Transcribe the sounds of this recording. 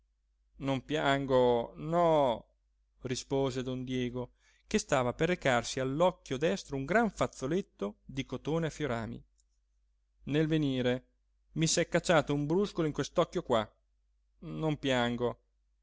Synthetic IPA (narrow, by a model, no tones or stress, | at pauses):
nompjaŋɡonɔ | rispoːzed̪ond̪jɛːɡo | kest̪aːvaperːekarsialːɔkːjod̪ɛst̪ɾouŋɡɾaɱfat̪sːolet̪ːod̪ikot̪oːneafjoɾa̰ːmḭ | nelveniːɾe | misɛkːat͡ʃːaːt̪oumbɾuskoloiŋkwest̪ɔkːjokwa | nompjaŋɡo